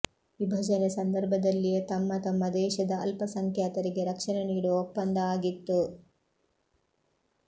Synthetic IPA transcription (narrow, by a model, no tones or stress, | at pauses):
ʋibʱɐd͡ʒɐnesɐnd̪ɐɾbʱɐd̪ɐlːijet̪ɐmːɐt̪ɐmːɐd̪ɛːʃɐd̪ɐɐlpɐsɐŋkʰjaːt̪ɐɾiɡe̞ɾɐkʂɐnɐniːɽuɔpːɐnd̪ɐaːɡit̪ːu